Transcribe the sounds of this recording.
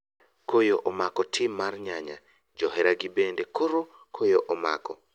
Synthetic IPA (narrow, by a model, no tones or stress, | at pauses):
kojoʔɔmakɔtʰɪmːarɲaɲa̰ | d͡ʒɔɦɛɾaɡibendekʰoɾo | kʰojoʔɔma̰kɔ